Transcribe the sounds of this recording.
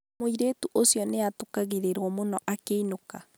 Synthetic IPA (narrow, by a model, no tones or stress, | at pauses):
moiɾeːtuʔosjɔneatokaɣeɾeɾwɔmonɔʔakeinoka